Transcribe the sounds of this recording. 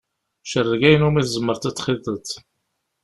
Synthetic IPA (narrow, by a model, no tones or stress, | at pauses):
ʃərˤːəɡæjənumiθzəmːəɾt̪æt͡sːχiðˤət̪